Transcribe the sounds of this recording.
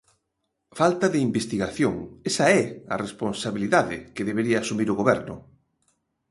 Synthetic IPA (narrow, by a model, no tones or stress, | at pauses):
falt̪ɐðɪimbest̪iɣaθjoŋɛsaɛɐ̰responsaβiliðaðɪ̰kɪðeβeɾiɐːsumiɾʊɣoβɛɾnʊ̰